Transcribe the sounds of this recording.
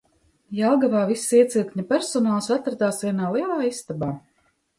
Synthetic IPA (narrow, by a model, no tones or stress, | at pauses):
jalˠɡavaːvisːiɛt̪silk̪ɲapɛɾsɔnaːlˠsat̪ɾad̪aːsvʲiɛnaːlˠiɛlˠaːisst̪abaː